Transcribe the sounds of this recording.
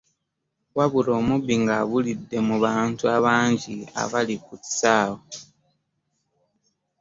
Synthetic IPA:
waβuɾoːmuβiŋɡaβulidːe̞muβaːntuaβaːɲɟia̰βalikuti̥saːβo

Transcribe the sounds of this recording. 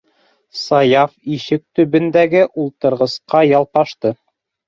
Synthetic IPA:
sɑjɑfiʃɘk̚t̪ɵ̆βɘ̆nd̪æɡɘʔulˠt̪ɤ̆ɾʁɤ̆sqɑjɑlˠqɑʃt̪ɤ

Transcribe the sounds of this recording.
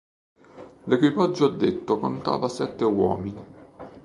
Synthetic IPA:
lekwipad͡ʒːoad̪ːet̪ːokont̪a̰ːvasɛt̪ːewɔ̰ːmini

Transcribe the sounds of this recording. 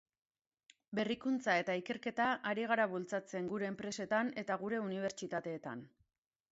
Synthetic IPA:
be̞rikunt͡sae̞t̪aike̞ɾke̞t̪aʔaɾiɣ̞aɾaβult͡sat͡se̞ŋɡuɾe̞ːmpɾe̞se̞t̪ane̞t̪aɣuɾe̞uniβ̞e̞ɾt͡ʃit̪at̪e̞ːt̪a̰n

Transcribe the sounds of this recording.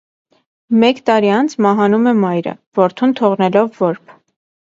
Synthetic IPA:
mɛkt̪ɑɾiɑnt͡sʰmɑɦɑnumɛmɑjɾə̰vɔɾt̪ʰunt̪ʰɔʁnɛlɔvːɔɾpʰ

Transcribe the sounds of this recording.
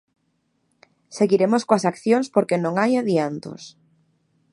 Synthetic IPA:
seɣiɾemoskoasakθjoŋspoɾkenõŋajaðiant̪o̰s

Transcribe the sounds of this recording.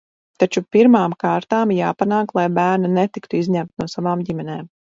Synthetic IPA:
t̪at͡ʃupiɾmaːmkaːɾt̪aːmjaːpanaːklˠajbæːɾnanet̪ikt̪uizɲæmt̪nuɔsavaːmɟimɛneːm

